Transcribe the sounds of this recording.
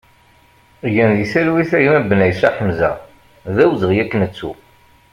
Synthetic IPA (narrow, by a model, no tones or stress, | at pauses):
jənðisælwiθæjumæbːənæjsæ̰ħəmzæ̰ | ðæwzəʁjækːnət͡sːṵ